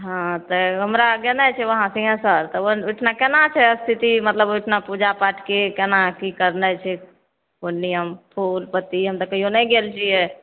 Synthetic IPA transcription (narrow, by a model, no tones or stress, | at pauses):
ɦãt̪əɦəmɾaɡenət͡ʃʰɛʋəɦãsĩɡə̃səɾt̪ɔoʊʈʰnakenat͡ʃʰɛəst̪ʰit̪imət̪ləbʊʈʰnapud͡ʒapaʈʰkekenakikəɾnət͡ʃʰɛ | konijəmpʰulpət̪ːiɦəmt̪əkəɦijonəjɡelt͡ʃʰijɛ